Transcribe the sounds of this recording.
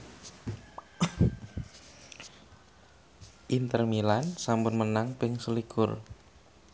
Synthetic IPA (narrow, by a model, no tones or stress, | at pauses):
ʔint̪ərmilansambʊnmənaŋpɪŋsulikʊr